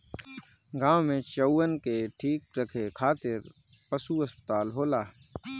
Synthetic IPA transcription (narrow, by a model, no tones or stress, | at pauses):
ɡãːwmẽt͡ʃəwːənkeʈʰiːk̚ɾɐkʰekʰaːt̪ɪɾ | pəsuɐspət̪aːlɦoːlaː